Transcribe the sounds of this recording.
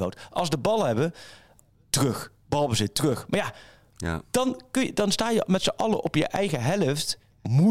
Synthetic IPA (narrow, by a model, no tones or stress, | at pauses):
o̰wtʔɑ̰lˠsdəbɑlˠɦɛbə | tərɵx | bɑlˠbəzɪttərɵxmaːɹja | d̥ɑnkədɑnstaːjəmɛtsəʔɑlˠəʔɔpjə̰ʔɛjɣəɦɛləft | mu